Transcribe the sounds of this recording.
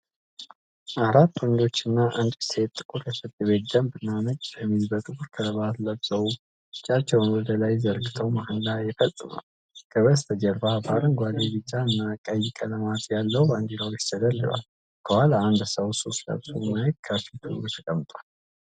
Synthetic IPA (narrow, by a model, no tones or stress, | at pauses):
ʔaɾat̪ːwɔnd͡ʒo̞t͡ʃːɨnːaʔɨnd̪set̪t̪ʼːɨkʼuɾjɛfɨt̪ʼːɨβe̞t̪d̪əmbɨnːanət͡ʃʼːbəmːizbət̪ʼɨkʼuɾkʰəəβat̪ləbz̥əwu | ɨt͡ʃʼːat͡ʃːɛwnwɔd̪əlajzəɾɡɨt̪ʰəwmahɨnlajɛfət̪ːʼɨma̰w | ɡ̥ʼəβəst̪ʰəd͡ʒəɾbabaɾɨŋɡʷazebɨt͡ʃʼːaɨnːakʼəjːɪkʼələmat̪ʰjalːəwbaŋɡ̪iɾawot͡ʃːt̪ʰəd̪əlːɨ̰βa̰l | kʰəhalaːnd̪səwso̞st̪lə̰bzəwmajet̪kʰafit̪ʰɨut̪ʰəkʼəmːɨt̪ʼwal